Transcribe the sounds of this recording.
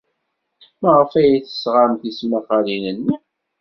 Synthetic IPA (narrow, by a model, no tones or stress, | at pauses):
mæʁəfæjiθə̥sʁamθismæfalinənːi